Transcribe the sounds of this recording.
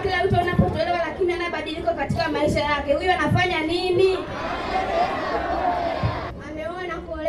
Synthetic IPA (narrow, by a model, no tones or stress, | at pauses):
kilam̩tuanapɔtɔlɛwalakinianaɓaɗilikakatikamaiʃajakɛhujɔanafaɲanini | amɛɔanakɔl